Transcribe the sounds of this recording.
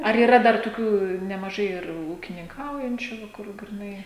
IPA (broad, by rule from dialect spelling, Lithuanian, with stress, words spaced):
ɐr iːˈrɐ dɐr tʊˈkʲuː nʲɛmɐˈʒɐɪ ɪr uːkʲɪnʲɪŋˈkɐʊjɛnʲt͡ʃʲʊ ʋɐ ˈkʊr ɡrʲɪˈnɐɪ